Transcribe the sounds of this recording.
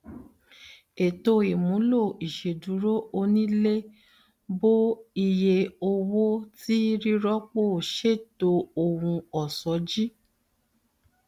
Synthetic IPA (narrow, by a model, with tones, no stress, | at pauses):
e˨to˧e˨mũ˨˦lo˦˨i˨ʃe˨du˨˦ɾo˦o˧nĩ˦le˦ | bo˦i˧je˧o˧wo˦ti˦ɾi˦ɾɔ˦k͡po˦˨ʃe˦˨to˧o˧˨wũ˧ɔ˨sɔ˨˦d͡ʒi˦